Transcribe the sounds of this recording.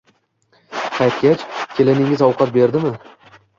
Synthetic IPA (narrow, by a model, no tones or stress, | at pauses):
qʰɑjt̪kʲat͡ʃkʲʰe̞lɪnɪŋɪzɒwqʰɑt̪̚be̞ɾd̪ɪmɪ